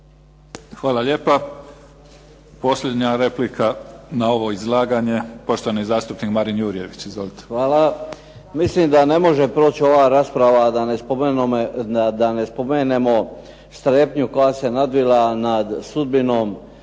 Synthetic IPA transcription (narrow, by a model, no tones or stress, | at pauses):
xʋaːlaʎe̞ːpa | po̞sʎʲe̞d̪ɲaɾe̞plikʰanao̞ʋo̞izlˠaːɡaɲe̞po̞ʃt̪oanizaːst̪upnikmaɾinjuːɾije̞ʋit͡ɕizʋolit̪exʋaːla | mislimd̪ane̞mo̞ʒe̞pɾo̞ːt͡ɕo̞ʋaːɾaːspɾaʋad̪anepo | ad̪ane̞spo̞meːne̞mo̞ | st̪ɾeːpɲuko̞jase̞nad̪ʋilanad̪sud̪̚bino̞ːm